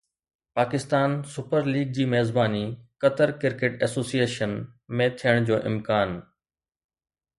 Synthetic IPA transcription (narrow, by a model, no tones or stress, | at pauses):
paːkɪst̪aːnsʊpəɾliːɡ̚d͡ʑiːmeɦzbaːnikət̪əɾkɪɾkeːʈɛːsoːsieːʃənmẽt̪ʰijəɽ̃d͡ʑoːʔɪ̰mkaːn